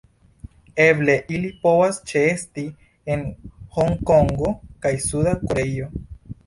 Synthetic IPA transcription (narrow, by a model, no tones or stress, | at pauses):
e̞ble̞ʔilipo̞vast͡ʃeesti | enho̞ŋko̞ŋɡo̞kajsudakoɾe̞jo̞